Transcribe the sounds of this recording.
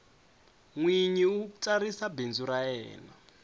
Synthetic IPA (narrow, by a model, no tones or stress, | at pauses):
ŋwiɲiut͡sʼaɾisabend͡zuɾajɛ̰ːna